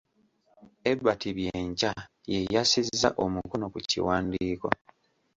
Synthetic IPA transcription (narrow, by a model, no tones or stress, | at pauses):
e̞bːatiβjeːɲca | je̞jasizːa̰ʔo̞mukono̞kucḭwaːndiːko̞̰